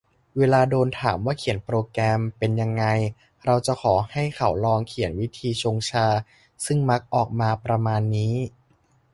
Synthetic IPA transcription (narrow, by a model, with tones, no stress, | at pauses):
weː˧laː˧doː˧nt̪ʰaː˩˦mwaː˥˩kʰi˨˩˦npɾoː˧kɾɛː˧mpe˧nja˧ŋːa˧j | ɾa˧wt͡ɕa˨˩kʰɔː˩˦ha˥˩jkʰa˩˦wlɔː˧ŋkʰi˨˩˦ənwi˦˥t̪ʰiː˧t͡ɕʰoː˧ŋt͡ɕʰaː˧ | sɯ˥˩ŋma˦˥k̚ʔɔː˨˩k̚maː˧pɾa˧maː˧nːiː˦˥